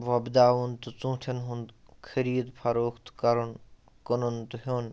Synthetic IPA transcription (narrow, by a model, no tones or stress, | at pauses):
ʋɐbd̪aːʋunt̪ut͡sũːt̪ʰɐnɦund̪ | kʰɐɾiːd̪pʰɐɾoːkʰt̪kɐɾun | kənunt̪uɦoːn